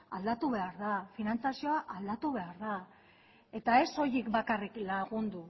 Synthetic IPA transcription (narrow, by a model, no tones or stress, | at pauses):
a̰ld̪at̪uβe̞aɾðafinant͡sasio̞aʔald̪at̪uβ̞e̞aɾða | e̞t̪ae̞so̞jikbakariklaɣ̞und̪u